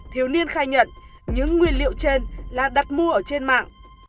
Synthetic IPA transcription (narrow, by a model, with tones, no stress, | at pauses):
t̪ʰi˨˦əwni˧ənxaː˧jɲə̰˧˨n | ɲɨ̰˧˥ŋːwi˧ənlḭ˧˨əwt͡ɕe˧nlaː˨˩ɗa˨˩t̚mu˧əʔəː˧˩t͡ɕe˧nma̰ː˧˨ŋ